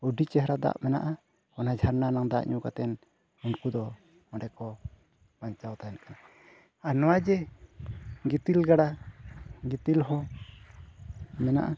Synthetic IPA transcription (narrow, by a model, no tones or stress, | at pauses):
uɖit͡ʃɛɦɾad̪a̰ʔmɛna̰ʔa | ɔnad͡ʒʱaɾnanaŋd̪a̰ʔɲukat̪ɛn | unkud̪ɔ | maɖɛkɔ | baɲt͡ʃawt̪ajnaka | anɔwad͡ʒɛ | ɡit̪ilɡaɽa | ɡit̪ilɦɔ̃ | mɛna̰ʔa